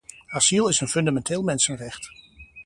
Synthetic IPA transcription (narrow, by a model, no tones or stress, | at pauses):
asilˠɪsənfɵndamɛnteːlˠmɛnsənrɛχt